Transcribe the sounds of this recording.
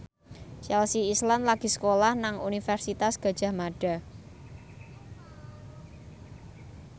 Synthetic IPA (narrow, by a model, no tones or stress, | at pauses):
t͡ʃɛlsiːslanlaɡ̥i̤sə̥kolahnaŋunifɛrsit̪asɡ̥ä̤d̥ʒ̥a̤hmaɖ̥a̤